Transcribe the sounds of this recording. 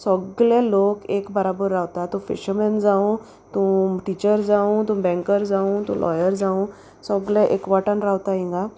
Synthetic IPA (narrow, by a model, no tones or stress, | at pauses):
sɔɡlelokekbəɾabəɾːawt̪at̪ũfḭɕəmɛnd͡zaũ | t̪ũʈit͡ɕəɾd͡zaũt̪ũbɛ̃ŋkəɾd͡zaũt̪ṵ̃lʔɔ̰jəɾd͡zaũ | sɔɡlɛ̃ʔekʋaʈənɾawt̪aɦĩŋɡa